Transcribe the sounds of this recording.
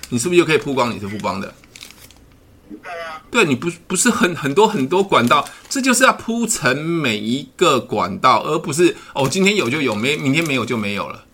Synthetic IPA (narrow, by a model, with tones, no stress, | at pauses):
ni˨ʂ̬ɻ̩˥˩bjo˥˩kʰə˥˨˩pʰu˥kwɑ˥˦ŋnḭ˨˩ʂɻ̩˥˩pʰu˥˩kwɑ̰˦˥ŋd̪ə̰˨ | t̪we˥˩ɪni˨˩pu˧˦pu˧˥ʂɻ̩˥˩xə˨˩nxə˨˩nt̪wɔ˥xə˨˩nt̪wɔ˥kwa˨˩nt̪ɑ˥˨ʊʈ͡ʂɤ˥˧t͡ɕjo˥˧ʊʂɻ̩˥˧jɑ˥˩ʊpʰu˥ʈ͡ʂʰə˧˦ŋme˨˩ɪi˧˦ɡə˨kwa̰˨˩nt̪ɑ˥˨ʊʔə˧˥pu˧˥ʂ̬ɻ̩˥˩ɔ˨t͡ɕi˥nt̪ʰjɛ˥njo˨˩ʊt͡ɕjo˥˩ʊjo˨˩ʊme˧˥ɪjmi˧˥nt̪ʰjɛ˥nme˧˥jo˨ʊt͡ɕjo˥˩ʊmẽ˧˦ɪjo̰˨˩ʊlə̰˦